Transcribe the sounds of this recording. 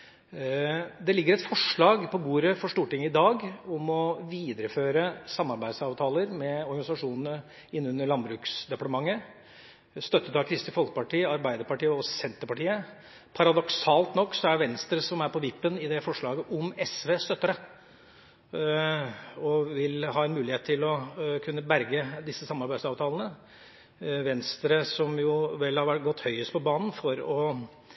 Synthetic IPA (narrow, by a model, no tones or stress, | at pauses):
d̪ɛlɪɡːəɾɛt̪fɔʂɭɑːɡpʰɔbuːɾəfɔʂʈuːʈɪŋːəɪd̪ɑːɡɔmɔʋiːd̪əɾəføːɾəsɑmːɑɾbæɪsɑːʋt̪ʰɑːləɾmɛɔɾɡɑɪsɑʂuːnənə | ɪnːʉnːəɭɑnbɾʉːksd̪ɛpɑʈ̪əmɑŋːə | st̪œt̪ːət̪ɑkʰɾɪst̪ɪfɔlkə̥pɑʈiːəɑɾbæɪd̪əɾpɑʈiːəɔsɛnt̪əɾpɑʈiːə | pʰɑɾɑd̪ɔksɑːlt̪nɔkːsɔæʋɛnst̪ɾəsɔmæɾpʰɔʋɪpːənɪd̪ɛfɔʂɭɑːɡəʔɔmɛsʋeːst̪œt̪ːəɾə | ɔʋɪlɦɑːɛnmʉːlɪheːt̪ʰːɪlɔkʰʉnːəbæɾɡəd̪ɪsːəsɑmːɑɾbæɪsɑːʋt̪ʰɑːlnə | ʋɛnst̪ɾəsɔmjʊʋɛlhɑɾʋæʈ̚ɡɔt̪ːhœʏəst̪pɔbɑːnn̩fɔɾɔ